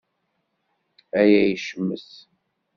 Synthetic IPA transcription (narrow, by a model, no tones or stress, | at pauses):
æjæjəʃəmːəs